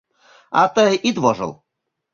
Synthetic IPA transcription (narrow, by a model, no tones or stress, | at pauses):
ɑt̪əjʔit̪βoʒə̰lˠ